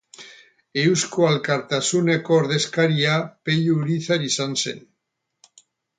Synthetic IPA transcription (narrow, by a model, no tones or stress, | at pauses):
ewskoalkaɾt̪asunekoːɾðe̞skaɾiapeʎuuɾiθaɾisansḛn